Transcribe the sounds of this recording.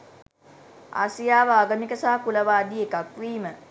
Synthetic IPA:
a̰sijaːʋəaːɡəmikəsaɦakuləʋaːd̪iekakʋiːmə

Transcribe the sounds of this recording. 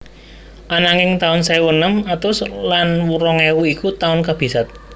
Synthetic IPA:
ʔanaŋɪŋt̪aʊnsajwənəmat̪ʊslanwuɾɔŋewuikut̪aʊnkab̥i̤sat̪̚

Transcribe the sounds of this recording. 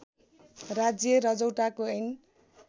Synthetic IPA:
rad͡zjʌɾʌd͡zʌwʈakoʌjn

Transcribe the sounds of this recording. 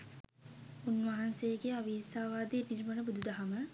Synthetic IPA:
unʋaɦansejəɡeaʋiːsaːʋaːd̪inilmənəbud̪ud̪aɦamə

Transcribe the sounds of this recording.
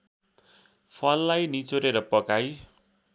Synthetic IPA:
pʰʌlːajnit͡soɾeɾʌpʌkaj

